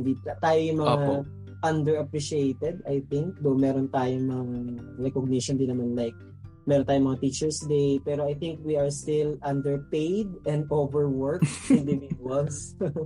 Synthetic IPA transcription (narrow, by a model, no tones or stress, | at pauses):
nd̪it̪aːjojʊŋmɐŋa | ʔɐnd̪ɛɹɐpɾiʃiejt̪ɛd̪ajθɪŋk̚d̪omɛːɾont̪aːjoŋmɐŋaɾɛkoɡ̚nɪʃond̪ɪnːɐmanlajk̚ | mɛːɾont̪ajʊmɐŋat̪it͡ʃɛɹsd̪ejpɛːɾoʔajθɪŋk̚wiʔɐɹst̪ɪlʔɐnd̪ɛɹpejd̪ʔɛ̃nd̪ʔovɛɹwɛɹkfid̪ɪvinwɔd̪s